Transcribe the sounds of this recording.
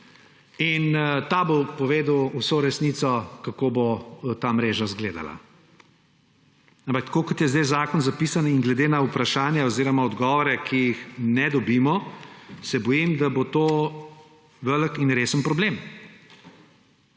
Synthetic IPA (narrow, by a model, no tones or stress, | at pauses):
int̪abopɔʋeːd̪əwusoɾɛsnit̪sɔkakobot̪amɾeːʒazɡleːd̪a̰la̰ | ampak̚t̪kokɔt̪jɛzd̪ɛjzaːkɔnzapiːsaniŋɡlɛd̪eːnaupɾaʃaːnjɛoziːɾɔmaɔd̪ɡɔʋɔɾɛkʰijixnɛd̪ɔbimɔsɛbɔjimd̪abot̪oː | ʋələkinɾeːsənpɾɔblem